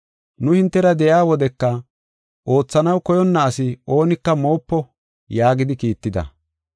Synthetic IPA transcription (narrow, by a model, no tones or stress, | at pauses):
nʊhɪnt̪ːɛɾɐd̪ɛjaːwɔd̪ɛkːɐ | ʔo̞ːt͡sːɐnɐwkɔjɔnːɐːsɪo̞ːnɪkːɐmo̞ːpːɔ | jaːɡɪd̪ɪkiːt̪ːɪd̪ɐ̰